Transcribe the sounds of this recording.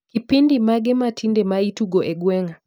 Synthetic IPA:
kipindimaɡɛmatʰindɛmaituɡɔʔɛɡwɛŋa

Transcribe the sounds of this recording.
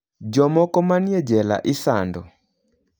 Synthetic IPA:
d͡ʒɔmɔkɔmaniɛd͡ʒɛla̰ʔɪsandɔ

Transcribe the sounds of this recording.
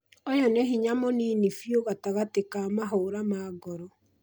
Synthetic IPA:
ɔjɔnɛɦiɲamɔniːnifjoɣataɣatekamaɦoːɾamaɡɔɾɔ

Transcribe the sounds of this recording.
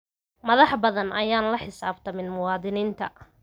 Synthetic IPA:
mɐðɑħbɐðɐnɐjaːnlɐħɪsaːbt̪ʰɐmɪnmʊwɑːðɪniːnt̪ʰɐ

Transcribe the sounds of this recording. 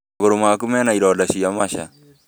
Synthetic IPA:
ɡoɾomakumɛnaiɾɔdaʃijamaʃa̰

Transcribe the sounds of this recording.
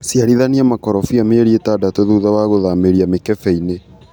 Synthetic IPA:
sjaɾiðaniamakɔɾɔfiameeɾietadatoðuðawaɣoðameɾiamekɛfɛine

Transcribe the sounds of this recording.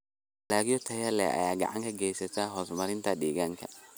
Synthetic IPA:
laːɡɪjɔt̪ʰɐjɐlɛ̰ɐ̰jaːɡɐ̰ʕa̰ŋkʰɐɡɛjsɐt̪ʰaːɦɔːsmɐɾɪnt̪ʰɐɗiːɣaŋkʰɐ

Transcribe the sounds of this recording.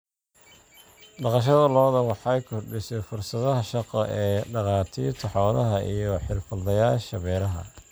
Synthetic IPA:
ɖɑqɑʃ̬ɐðɐlɔːðɐwɑħjkʰɔrɖisɛjfʊrsɐðɐɦɐʃɑqɔʔɛːɖɑqɑːt̪ʰiːrt̪ʰɐħɔːnɐɦɐʔijɔħɪlfɐlːɐjaːlʃɐβɛːlɐɦɐ̰

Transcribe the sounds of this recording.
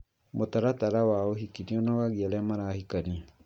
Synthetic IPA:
motaɾataɾawaoɦikiniɔnawaɣiaɾɛamaɾaːhikania

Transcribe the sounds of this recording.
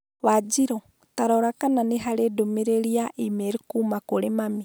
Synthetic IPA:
βad͡ʒiɾɔ | taɾɔɾakananeɦaɾedomeɾeɾiaʔimeɾikuːmakoɾemami

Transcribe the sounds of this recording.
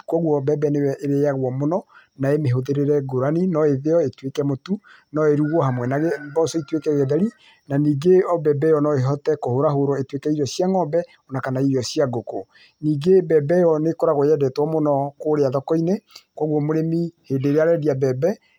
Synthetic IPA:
kwɔɣwɔbɛbɛnewɛʔeɾejaɣwɔmonɔ | naemeɦoðeɾeɾɛɡoɾaninɔeðeɔetwekɛmotu | nɔeɾuɣwɔɦamwɛnaɣebɔsɔitwekɛɣɛðɛɾi | naniːɡeɔbɛbɛjɔnɔeɦɔtɛkohoɾaɦoɾɔetwekɛiɾɔsjaŋɔbɛ | ɔnakanaiɾɔsiaɡoko | niːɡebɛbɛjɔnekoɾaɣojɛdɛtwɔmonɔkoɾeaðɔkɔinekwɔɣwɔmoɾemihedeɾeaɾɛdiabɛbɛ

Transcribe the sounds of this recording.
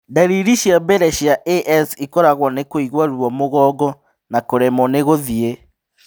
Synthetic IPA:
daɾiɾiʃjabɛɾɛʃjaʔeʔɛsikɔɾaɣwɔnekoiɣwaɾuɔmoɣɔːɡɔ | nakoɾɛmɔneɣoðie

